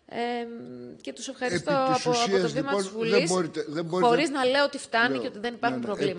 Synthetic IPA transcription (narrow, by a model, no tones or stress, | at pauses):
ece̞t̪use̞fxɐɾist̪oɐspoɐioɐtozvimɐzvulesoɾit̪eðeoɾxo̞ɾɾiznɐle̞ot̪ift̪ɐniceot̪iðe̞nipɐɾxxumpɾovlimɐ